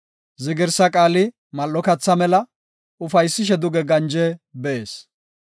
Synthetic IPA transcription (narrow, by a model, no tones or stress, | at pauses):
zɪɡɪɾsɐkʼaːlɪ | mɐlːɔkɐt͡sːɐmɛlɐ | ʊfɐjsːɪʃ̬ɛd̪ʊɡɛɡɐnd͡ʒɛbɛʔeːs